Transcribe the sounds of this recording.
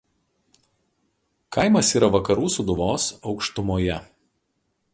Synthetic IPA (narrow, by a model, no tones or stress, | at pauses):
kɐɪmɐsiːɾɐʋɐkɐɾuːsʊd̪ʊʋoːsɒʊkʃt̪ʊmoːjɛ